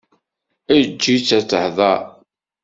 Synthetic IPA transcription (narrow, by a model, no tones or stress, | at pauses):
æd͡ʒːit͡sːæt͡sːəhðˤɑ